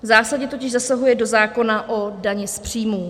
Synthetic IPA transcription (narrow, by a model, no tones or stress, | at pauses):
vzaːsaɟɲɛt̪o̞cɪʒzasaɦujɛdo̞zaːko̞naʔo̞daɲɛspr̝̥iːmuː